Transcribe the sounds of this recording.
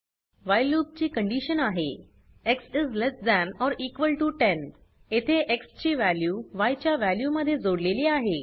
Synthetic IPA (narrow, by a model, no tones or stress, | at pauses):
ʋajlub̚t͡ɕiːkəɳɖiɕənaɦḛ | eksizlesdænɔɾiːkʋəlʈuʈẽn | et̪ʰeʔekst͡ɕiːʋæljuːʋajt͡ɕjaʋæljuməd̪ʱːjed͡zoɽleliːaɦe